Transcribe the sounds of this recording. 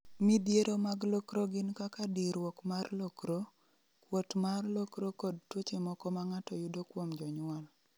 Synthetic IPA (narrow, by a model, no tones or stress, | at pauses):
midjeɾomaɡlokɾoɡɪnkakadiɾwɔkmarlɔkɾo | kwotmarlokɾokɔd̚twot͡ʃemɔkɔmaŋatɔjʊdokwomd͡ʒɔɲwal